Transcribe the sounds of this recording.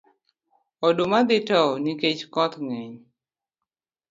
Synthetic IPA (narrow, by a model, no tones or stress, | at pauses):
ɔdomad̪ɪtɔniket͡ʃkɔt̪ŋɛɲ